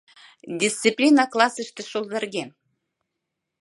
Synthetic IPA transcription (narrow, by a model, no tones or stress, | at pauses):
dʲist̪t͡sɨplʲinɑklˠɑsəʃt̪ɘ̆ʃolˠd̪ɑrɡʲe